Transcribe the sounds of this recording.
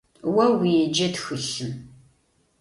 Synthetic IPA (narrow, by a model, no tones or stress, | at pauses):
wɐwid͡ʒɐtxɨɬɨm